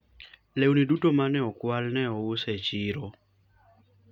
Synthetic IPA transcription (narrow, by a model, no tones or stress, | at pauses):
lewnidutomanɛɔkwalnɛɔʊsɛt͡ʃɪɾɔ